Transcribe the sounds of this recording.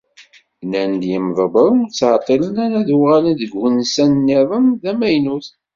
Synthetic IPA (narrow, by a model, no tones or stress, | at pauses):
nænd̪jəmðˤəbəɾˤt͡sːʕt̪ˤːələnæɾæðuʁalənðəɡwənsænːiðˤənðæmæjnuθ